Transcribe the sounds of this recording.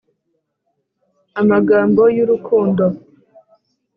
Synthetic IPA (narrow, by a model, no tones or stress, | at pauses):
amaɡaːmbo̞juɾukʰuːndo